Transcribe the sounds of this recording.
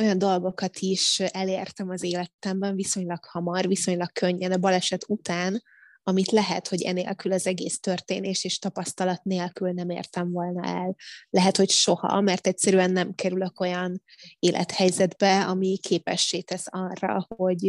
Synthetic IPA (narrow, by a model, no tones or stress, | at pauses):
o̞jɒnd̪o̞lɡo̞kɒt̪ʰiʃɛleːrt̪ɛmɒzeːlɛt̪ɛmbɛɱviso̞ɲlɒkhɒmɒrviso̞ɲlɒkkøɲːɛnɒbɒlɛʃɛt̪ut̪aːn | ɒmit̪lɛɦɛ̰t̪ho̞ɟɛ̰nḛːlkylɒzɛɡeːst̪ørt̪eːneːʃeːʃt̪ɒpɒst̪ɒlɒt̪neːlkylnɛmḛːrt̪ɛɱvo̞lnɒ̰ʔɛllɛɦɛt̪ho̞cʃo̞hɒ̰mɛrt̪ɛcsɛɾyɛnːɛmkɛɾyløko̞jɒn | eːlʔɛ̰t̪hɛjzɛd̪bɛɒmikʰeːpɛ̰ʃːeːt̪ɛsɒrːɒ̰ho̞ɟ